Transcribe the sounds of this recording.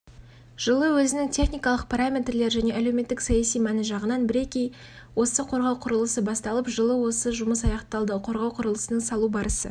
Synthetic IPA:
ʒ̥əlˠəwɵzɪnɪŋt̪ʲʰe̞χnijkɑlˠəq̚pʰɑɾamʲe̞t̪rle̞ɾʒæne̞ʔæle̞wme̞t̪ːɪksɑjɑsijmænɪʒɑʁənɑnbɪɾe̞kʲej | wo̞səqʰo̞ɾʁɑwqʰʊɾəlˠəsəbɑst̪ɑlˠəpʒəlˠəwo̞səʒʊməsɑjɑqt̪ɑlˠd̪əqʰo̞ɾʁɑwqʰʊɾəlˠəsənəŋsɑlˠubɑɾəsə̰

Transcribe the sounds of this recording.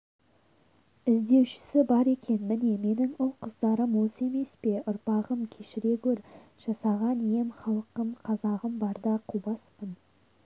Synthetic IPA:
ɪzd̪e̞wʃɪ̥sɪbɑɾe̞kʲe̞nmɪne̞me̞nɪŋʊlˠqʰəzd̪ɑɾəmwo̞səe̞me̞spe̞ʔʊɾpɑʁəmkʲʰe̞ʃɪɾe̞ɡʲɵɾ | ʒ̥ɑsɑʁɑnijemχɑlˠəqəmqʰɑzɑʁəmbɑɾd̪ɑqʰubɑspən

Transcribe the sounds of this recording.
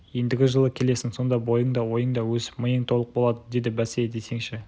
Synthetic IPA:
je̞nd̪ɪɡʲɪʒəlˠəkʲʰe̞le̞sɪŋso̞nd̪ɑbo̞jəɴd̪ɑwo̞jəɴd̪ɑwɵzməjəɴt̪ʰo̞lˠəq̚bo̞lˠɑd̪əd̪e̞d̪ɪbæsed̪e̞jse̞ŋʃɪ

